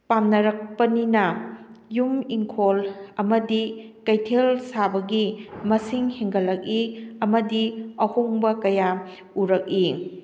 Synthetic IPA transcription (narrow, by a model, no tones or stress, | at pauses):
pamnɐɾɐk̚pɐninɐjumiŋkʰolɐmɐdikɐjtʰelsabɐɡimɐsiŋheŋɡɐlːɐk̚iɐmɐdiɐhoŋbɐkɐja | uɾɐk̚i